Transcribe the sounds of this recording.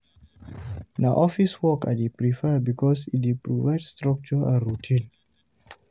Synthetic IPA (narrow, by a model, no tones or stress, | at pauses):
naʔɔfiswɔka̰dipɾifəbikɔsidepɾuvajdst̪ɾɔk̚t͡ʃuəɾutʰĩn